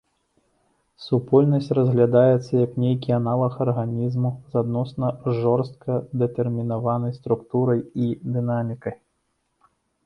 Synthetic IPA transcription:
supɔlʲnɐsʲt͡sʲrɐzɣlʲad̪ajɛt̪sːɐjɐknʲejkʲianalˠɐxɐrɣanʲizmuzad̪nɔsnɐʐɔrst̪̚kɐd̪ɛt̪ɛrmʲinavanɐjst̪ɾukt̪uɾɐjid̪ɨnamʲikɐj

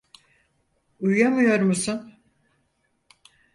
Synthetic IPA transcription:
ujjamɯjo̞ɾmusun

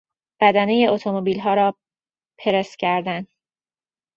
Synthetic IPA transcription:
b̥æd̪ænejeot̪ʰomobiːlɦɒːɾɒː | pʰe̞ɾest̪cʲʰæɾd̪æn

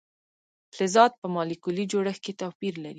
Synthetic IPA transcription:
fɪzɑd̪̚pəmɑlikulid͡ʒoɽəxket̪awpiɾlaɾi

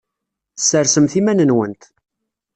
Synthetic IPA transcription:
θə̥sːəɾsəmθimænənwənt̪

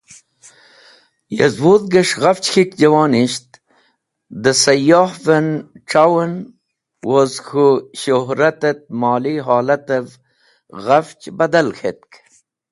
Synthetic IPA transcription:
jezwud̪ɡəʂɣɐft͡ɕxikd͡ʑɐwɑːniɕt̪ | d̪əsɐjɑːhvenʈ͡ʂawən | wozxuɕoɦɾɐt̪et̪̚mɑːliɦɑːlɐt̪ev | ɣaft͡ʃbɐd̪ɐlxet̪̚k

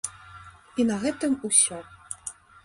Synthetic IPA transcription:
inɐɣɛt̪ɨmusʲɔ

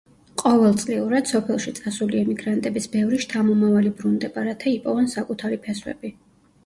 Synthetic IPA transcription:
qʼɔvɛlˠt̪sʼliuɾad̪̥sɔpʰɛlˠʃit̪sʼasuliɛmiɡɾant̪ʼɛbisbɛvɾiʃt̪ʰamɔmavalibɾund̪ɛbaɾat̪ʰaipʼɔvɛnsakʼut̪ʰaɾipʰɛswɛ̰bi

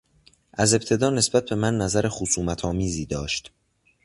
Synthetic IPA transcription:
ʔæze̞p̚t̪ʰe̞d̪ɒːne̞sbæt̪̚be̞mænːæzæɾexosuːmæt̪ʰɒːmiːziːd̪ɒːʃt̪

